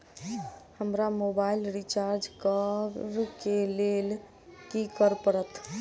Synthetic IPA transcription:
həmɾamobailɾit͡ʃaɾd͡ʒkəɾkelel | kikəɾpəɽət̪

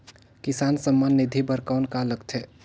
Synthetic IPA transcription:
kɪsaːnsəmːanːɪd̪ʱibʱəɾkaʊnkaləkt̪ʰɛ

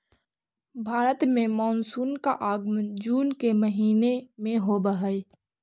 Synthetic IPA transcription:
bʱaːɾət̪mẽmɔːnsuːnkaʔaːɡmd͡ʒuːnkeməɦiːnemẽɦobəɦəi

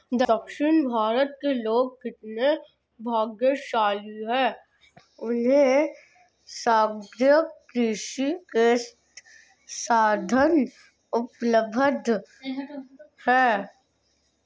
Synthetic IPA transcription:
d̪əkʃɪnbʱaːɾət̪̚keloːɡ̚kɪt̪ne | bʱaːɡjəʃaːluɦɛː | ʊnɦẽ | saːɡɾjəkɾiːʃikeːsʈ | saːd̪ʱən | ʊpləbʱəd̪ | hɛː

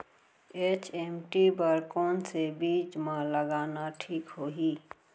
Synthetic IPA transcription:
eːt͡ʃemʈibəɾkɔːnsebiːd͡ʒmãləɡaːnaʈʰiːkɦoːɦiː

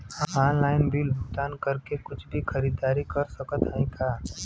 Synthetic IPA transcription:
ãaːnlaːɪnbʱilbʱʊt̪aːnkɐɾkekʊt͡ʃʰbʱixɐɾiːd̪aːɾikɐɾsəkət̪ɦaĩt̪ʰaː

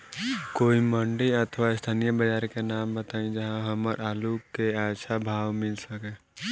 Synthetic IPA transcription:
koːiməɳɖəiət̪ʰəʋaɪst̪ʰaːnijəbəd͡ʒaːɾkenaːmbət̪aːĩd͡ʒəɦãɦəməɾʔaːlukːeasʰabʱaːwmɪlsəke

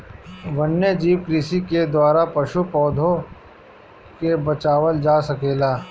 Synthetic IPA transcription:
ʋɐnːed͡ʒiːʋkɾiːsiked̪waːɾapɐʃupɔːd̪ʱõ | kebɐt͡ʃaːʋəld͡ʒaːsɐkeːlaː

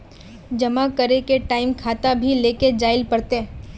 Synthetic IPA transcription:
d͡ʒɐmakəɾekeʈaːɪmkʰaːt̪abʱileːked͡ʒaːɪlpɐɽt̪e

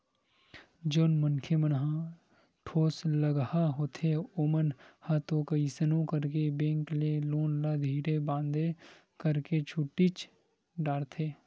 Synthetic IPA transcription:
d͡ʒoːnmənkʰemənɦã | ʈʰoːsləɡhaɦoːt̪ʰeoːmənhat̪õkɐisənõkəɾkebẽːŋkleloːnlad̪ʱiːɽebãːnd̪e | kəɾket͡ʃʰuʈːit͡ʃ | ɖaːɽt̪ʰeː

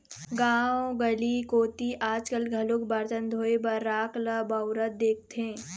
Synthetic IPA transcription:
ɡãːoɡəlikoːt̪iʔaːd͡ʒkəlɡʱɐlʊkbɐɾt̪ənd̪ʱoːebəɾːaːkləbɐʊɾət̪̚d̪eːk̚t̪ẽː

